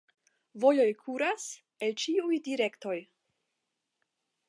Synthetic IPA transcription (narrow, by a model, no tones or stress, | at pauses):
vo̞jo̞jkʰuɾas | elt͡ʃiujdiɾe̞kto̞j